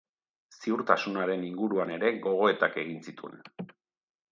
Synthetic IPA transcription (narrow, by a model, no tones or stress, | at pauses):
siuɾt̪asunaɾe̞niŋɡuɾuane̞ɾe̞ɣo̞ɣ̞o̞e̞t̪ake̞ɣ̞insit̪uḛn